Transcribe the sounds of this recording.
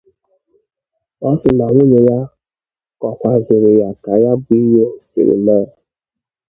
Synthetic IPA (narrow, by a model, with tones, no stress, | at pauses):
ɔ˦sɪ˨na˨ŋʷo˦ɲe˨ja˦ | kɔ˨kʷa˨zʊ˨ɾʊ˨ja˨ka˨ja˦bi˦jo˦˨sḭ˨ɾḭ˨le˦˨